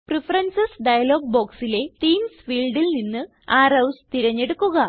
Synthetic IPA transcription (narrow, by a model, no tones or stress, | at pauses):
prifɐrɐnsɐsɖɐjɐlo̞ːɡ̚bo̞ːksile̞t̪iːmsfiːlɖilninːɨ | aːrɐwst̪iɾɐɲːe̞ɽukːuɣɐ